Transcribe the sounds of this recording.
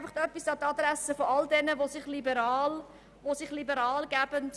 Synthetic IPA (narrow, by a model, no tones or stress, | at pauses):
fɑχtœpːisd̥ɑːtɑdɾæsəfoɑldɛnəvosɪχlibəɾɑːl | vosɪχlibəɾɑːlɡæb̥ənt